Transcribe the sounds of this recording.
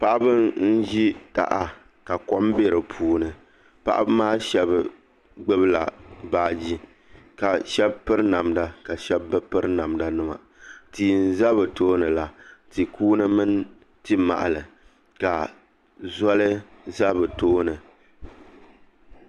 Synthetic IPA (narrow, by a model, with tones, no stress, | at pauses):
pa˦ʔa˦bɨ˦nn̩˦ʒi˦ta̰˦ʔa˨ | ka˨kɔ˦mbe˦ɾɨ˨pʰuː˦nɨ˨ | pa̰˦ʔa̰˦bɨ˦maː˦ʃɛ˦bɨ˨ | ɡ͡bɨ˦bɨ˦la̰˨baː˦d͡ʒi˦ | ka˨ʃɛ˦bpɨ˦ɾɨ˦na˨mda˨ka˨ʃɛ˦bɨ˦pɨ˦ɾɨ˦na˨mda˨nɨ˦ma̰˨ | tiː˨n˦za˦bɨ˨toː˦nɨ˨la˦ti˨kʰuː˦nɨ˦mɨ˦n | tɨ˦ma̰˨ʔa˨lɨ˨ | ka˨ | zɔ˦lɨ˦za˦bɨ˨toː˦nɨ˨